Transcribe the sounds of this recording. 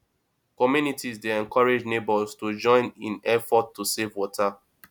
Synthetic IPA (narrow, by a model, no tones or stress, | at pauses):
kɔmjunitizdeɛ̃nkɔɹed͡ʒnebɔlstud͡ʒɔ̃ɪ̃nĩnɛfɔtʰːusevwɔtʰa